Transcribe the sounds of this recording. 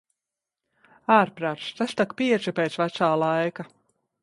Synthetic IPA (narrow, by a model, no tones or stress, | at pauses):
aːɾpɾaːt̪st̪ast̪akpiɛt͡ʃipeːt̪svæt̪saːlˠajka